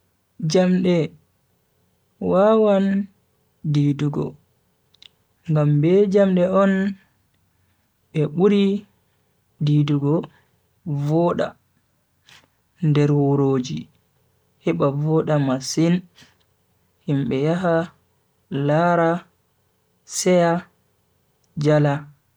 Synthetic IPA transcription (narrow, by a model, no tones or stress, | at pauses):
d͡ʒamɗɛ | wawan | diduɡɔ̰ | ŋɡambɛd͡ʒamɗɛɔn | ɓɛɓuɾi | diduɡɔ | vɔɗa̰ | ndɛɾwoɾoːd͡ʒi | hɛɓavɔɗamasin | himɓɛjaɦa | laɾa | sɛja | d͡ʒala